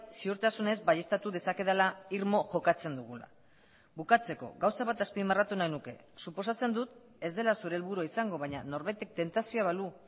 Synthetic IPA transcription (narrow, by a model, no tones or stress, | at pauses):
siuɾt̪asune̞zbaje̞st̪at̪uðe̞sake̞ðelaiɾmo̞ʝo̞kat͡se̞nd̪uɣ̞ula̰ | βukat͡se̞ko̞̰ɣawsaβat̪aspimerat̪unajnuke̞̰ | supo̞sat͡se̞nd̪ut̪ | e̞zd̪e̞lasuɾelβuɾuaisaŋɡo̞βaɲano̞ɾβajt̪e̞k̚t̪e̞nt̪asioaβalu